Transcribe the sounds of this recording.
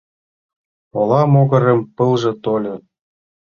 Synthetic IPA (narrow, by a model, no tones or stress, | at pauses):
olɑmoɣɤ̆ɾə̆mpəlʒĕt̪olʲɤ